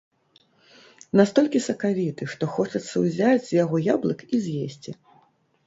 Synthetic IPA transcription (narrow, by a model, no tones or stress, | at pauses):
nast̪ɔlʲkʲisɐkavʲit̪ɨʂt̪ɔxɔt͡ʂɐt̪sːɐwzʲad͡zʲzʲjaɣɔjablˠɨkizʲjesʲt͡sʲi